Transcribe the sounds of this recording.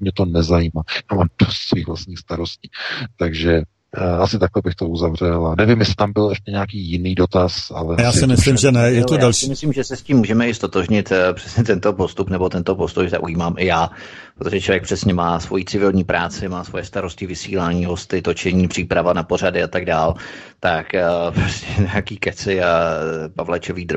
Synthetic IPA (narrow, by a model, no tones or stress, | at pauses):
mɲɛt̪onɛzajiːmaːad̥osviːɣvlast̪ɲiːxst̪aɾosciːt̪aɡʒɛ | asɪt̪aklɛbɪxt̪ouzavr̝ɛlanɛvimjɛsɪ̥t̪ambɪlɛʃcɛɲɛak̬iːjɪniːdot̪asa̰lɛjaːsɪmɪslɪmʒɛnɛjɛt̪odalʃimɪslimʒɛsɛsciːmːuːʒɛmɛɪst̪o̞t̪oʒɲɪt̪pr̝̥ɛ̥sɲɛt̪ɛnt̪o̞po̞st̪upnɛbo̞t̪ɛnt̪o̞po̞st̪ujt̪a̰ʔujiːmaːmʔɪjaː | pɾot̪oʒɛt͡ʃʰlo̞vjɛkpr̥ɛsɲɛmaːsvo̞jit͡sɪvɪlɲiːpɾʔaːt͡sɪmaːsvo̞jɛst̪aɾo̞scɪvɪsḭːlaːɲiːɦo̞st̪ɪt̪o̞t͡ʃɛɲiːpr̥iːpɾavanapo̞r̝adɪat̪aɡdaːl | t̪akposcʰɛɲejakiːkɛt͡sɪapavlat͡ʃoviːd̪ɾ